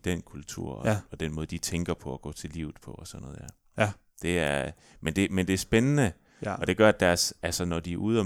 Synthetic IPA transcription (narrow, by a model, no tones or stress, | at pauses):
d̥enkʰult͡sʰṵɐ̰ɒɒ̽d̥enmɔ̽ːðˠd̥it͡sʰeŋɡ̥ɐpʰɒ̽ɒɡ̥ɔ̰̽ːt͡sʰe̝lḭːʊð̩ˠpʰɒ̽ɒsɒnːɔ̽ðˠjæɐ | d̥e̝æɐ | mend̥e̝mend̥e̝æɐsb̥enənə | ɒ̽d̥e̝ɡ̥ɶɐæd̥æɐsælsənɒd̥iæʔuð̰ˠɒ